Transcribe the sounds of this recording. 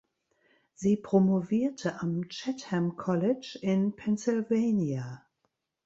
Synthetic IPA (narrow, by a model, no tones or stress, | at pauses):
z̥iːpʁ̥omoviːɐtʰəʔamt͡ʃɛthɛmkʰɔlɪt͡ʃɪnpʰɛnsɪlveːnia